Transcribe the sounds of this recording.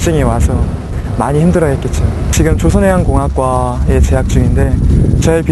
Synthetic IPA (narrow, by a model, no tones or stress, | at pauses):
t͡ɕ͈uŋewasʰʌ | maɲiçimdɯɾʌɦet̚k͈et̚t͡ɕ͈ot͡ɕiɡɯmt͡ɕosʰʌneɦankoŋɦak̚k͈wae̞t͡ɕe̞ɦak̚t͡ɕ͈uŋinde̞t͡ɕʌipi